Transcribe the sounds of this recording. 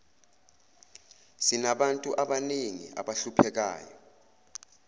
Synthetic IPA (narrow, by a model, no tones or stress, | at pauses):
sinaɓantʼuʔaɓaniŋḭa̰ɓaɬupʰɛk̬a̰ːjɔ